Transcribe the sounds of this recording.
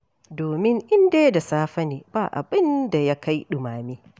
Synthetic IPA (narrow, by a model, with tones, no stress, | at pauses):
doː˨mɪ˦ŋʔɪ˦ndeː˦da˨saː˦ɸɐ˦niː˨baː˨ʔa̰˨bɪ˦nda˨ja˦ka˦jɗʊ˨maː˨miː˦